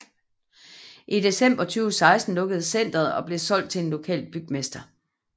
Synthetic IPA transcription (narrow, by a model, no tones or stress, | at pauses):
ʔide̝sem̰b̥ɐt͡sʰyːʊsɑ̈ɪsd̥n̩lɔ̽ɡ̥əð̞̩ˠsen̰d̥ɐð̩ˠɒ̽b̥le̝sɒ̽l̰d̥̚t͡sʰe̝enlo̝kʰɛ̰ːl̚b̥yɡ̥̚mesd̥ɐ